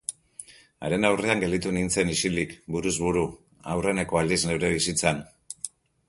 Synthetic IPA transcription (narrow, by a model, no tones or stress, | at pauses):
a̰ɾe̞nawre̞aŋɡe̞ld̪it̪unint͡se̞nisilikbuɾuzβuɾu | a̰wre̞ne̞ko̞ald̪izne̞wɾe̞β̞isit͡san